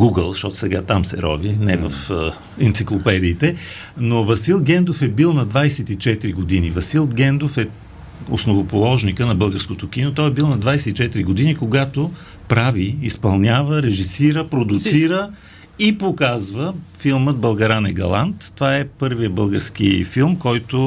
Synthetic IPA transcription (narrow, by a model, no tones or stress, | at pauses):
ɡuɡəlˠʃɔt̪ʊ̥sɛɡat̪amsɛ̰ɾɔ̰vinɛvə̰f | ɛnt̪siklˠopɛd̪iːt̪ɛ | novɐsilˠɡɛnd̪ofɛbilˠnɐd̪vajsɛt̪it͡ʃɛt̪ɾiɡod̪inivɐsilˠɡɛnd̪ofɛ | o̰snovopolˠɔʒnikənɐbɤlˠɡəɾskot̪ok̟inot̪ɔjɛbilˠnɐd̪vajsɛt̪it͡ʃɛt̪iɾiɡod̪inikoɡat̪o | pɾaviːspɐlˠnʲavəɾɛʒisiɾəpɾod̪ʊt̪siɾə | ipokazvəfilˠməd̪̚bɐlˠɡɐɾanɛɡɐ̰lˠa̰nt̪ːovaɛpɤɾvijəbɤlˠɡəɾsk̟ifilˠmkɔjt̪o